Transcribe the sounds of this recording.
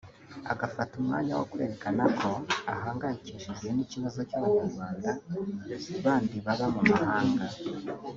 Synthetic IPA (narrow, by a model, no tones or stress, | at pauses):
a̰ɡafatumŋa̰ːɲawo̰kuɾe̞ːɾekanakʰo̞aɦaːŋɡaɲciʃizeniciβazo̞cuβaɲaɾɡwaːnda | βaːndiβaβamumahaːŋɡa